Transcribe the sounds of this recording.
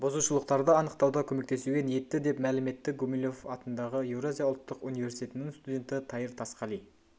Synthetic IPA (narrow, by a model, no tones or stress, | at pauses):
bozuʃəlˠəqt̪ɑɾd̪əɑnəqt̪ɑwd̪ɑkʲʰɵme̞kt̪e̞suɡʲe̞nije̞t̪ːɪd̪e̞pmælɪme̞t̪ːɪɡomilʲo̞fɑt̪ənd̪ɑʁəjewɾazijɑʊlˠt̪ːəqunijvʲe̞ɾsi̥t̪et̪ɪnɪŋst̪udʲe̞nt̪ɪt̪ʰɑjəɾt̪ʰɑsqɑlˠij